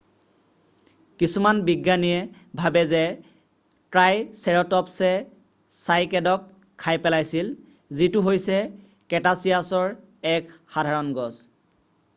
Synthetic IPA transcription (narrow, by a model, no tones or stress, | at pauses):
kisumanbiɡːaniɛ | bʱabɛzɛ | tɹajsɛɹɔtɔpsɛ | sajkɛdɔkʰː | ajpɛlajsil | zitʊɦojsɛ | kɛtasijasɔɹ | ɛkxadʱaɹɔnɡɔs